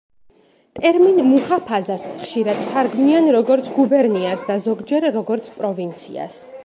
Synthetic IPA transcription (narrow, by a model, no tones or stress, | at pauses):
t̪ʼɛɾminmuhapʰazasχʃiɾad̪̥t̪ʰaɾɡmianɾɔɡɔɾt̪sʰɡubɛɾniasd̪azɔɡd͡ʒɛɾːɔɡɔɾt̪sʰpʼɾɔvint̪sʰḭa̰s